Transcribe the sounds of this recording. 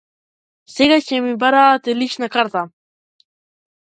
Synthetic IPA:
seɡat͡ʃʰemibaɾat̪eliʃnakaɾt̪a

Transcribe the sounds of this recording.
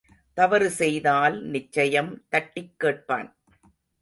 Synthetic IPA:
t̪ɐʋɐɾɯsɛjðaːlnɪt͡ʃːɐjɐmt̪ɐʈːɪkːeːʈ̚pa̰ːn

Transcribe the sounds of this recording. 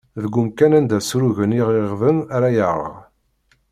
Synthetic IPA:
ðəɡːʊmkænænd̪æsɾuʝəniʁiʁvənaɾajəʁə̰ʁ

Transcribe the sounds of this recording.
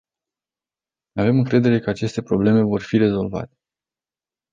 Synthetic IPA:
ave̞mɨŋkɾe̞d̪e̞ɾe̞kəat͡ʃe̞st̪e̞pɾo̞ble̞me̞vo̞rfiɾe̞zo̞lva̰t̪e̞̥

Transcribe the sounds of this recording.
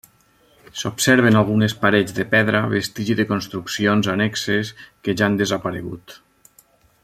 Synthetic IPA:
sopsɛɾβenalˠɣ̞unespaɾed͡zd̪epɛðɾaβest̪iʒiðekonst̪ɾuksionzanɛkseskeʒand̪ezapaɾḛɣṵt̪

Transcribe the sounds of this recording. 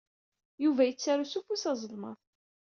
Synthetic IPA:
juvæjət͡sːaɾusufusɑzˤəlmə̰ðˤ

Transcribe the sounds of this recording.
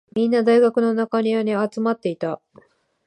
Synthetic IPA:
mʲĩnːad̪aiɡakɯ̟no̞nakaɲ̟ianeat͡sɨmat̪ːe̞it̪a

